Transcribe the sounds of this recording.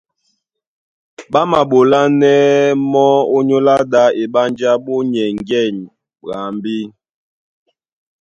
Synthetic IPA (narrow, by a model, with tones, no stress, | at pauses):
ɓa˦ma˨ɓo˨la˦nɛ˦mɔ˦o˦ɲo˦la˦da˦e˨ɓa˦nd͡ʒa˦ɓo˦ɲɛ˨ŋ˨ɡɛ˦˨ɲ | ɣa˨mbi˦